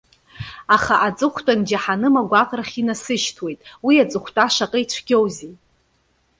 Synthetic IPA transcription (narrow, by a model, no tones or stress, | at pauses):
aχaʔat͡sʼɨχʷtʼand͡ʒaħanɨmaɡʷaqʼraχʲinasɨʃtʰwe̞jtʼwiat͡sʼɨχʷtʼaʃaqʼəit͡ɕʷʰɡʲowze